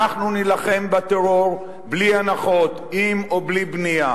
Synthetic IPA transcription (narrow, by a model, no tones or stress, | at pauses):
aχnunilaχe̞mbat̪eʁo̞ʁ | blianaχo̞t̪imoblibnia